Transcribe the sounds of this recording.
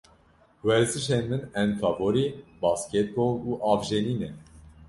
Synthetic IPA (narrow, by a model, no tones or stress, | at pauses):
wɛɾzɨʃenmɨnɛnt̪ʰɑːvoɾibɑːskʲet̪̚bouːʔɑːvʒeniːnɛ